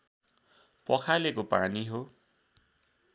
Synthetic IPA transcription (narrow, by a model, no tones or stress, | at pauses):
pʌkʰalekopaniɦo